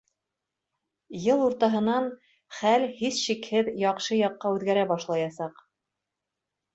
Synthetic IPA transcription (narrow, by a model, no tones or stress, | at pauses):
jɤlˠuɾt̪ɑɦɤ̆nɑn | χælhisʃikhɘðjɑqʃɤjɑqːɑʉðɡæɾæbɑʃlˠɑjɑsɑq